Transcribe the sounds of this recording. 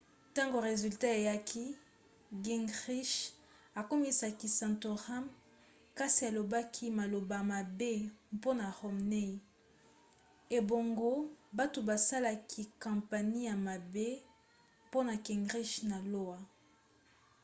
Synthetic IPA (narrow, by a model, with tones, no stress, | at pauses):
tã˦ŋɡo˨ʁe˨zy˨lta˦e˨ja˦kʰi˦ | ɡi˨ŋʁi˦ʃ | a˨ko˦mi˦sa˨ki˨sã˨nto˨ʁa˦m | ka˦si˨a˨lo˨ba˦kʰi˦ma˨lo˨ba˨ma˨be˦po˦na˨ʁo˨mne˦i˨ | e˨bo˨ŋɡo˦ba˦to˨ba˨sa˦la˦kʰi˦kã˨mpa˨ni˦ja˨ma˨be˦ | po˦na˨ki˨ŋɡʁi˦ʃna˨lo˦wa˨